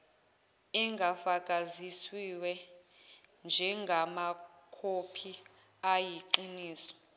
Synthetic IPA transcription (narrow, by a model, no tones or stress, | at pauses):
ɛŋɡʱafakʼaziswiwɛ | nd͡ʒʱɛŋɡʱama | kʰopʰi | ajiǃiniːsɔ̥